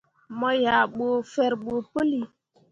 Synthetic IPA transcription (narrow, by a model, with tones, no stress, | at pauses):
mɔ˦ja˨ɓo˨fɛ˦ɾɓo˨pə˦li˨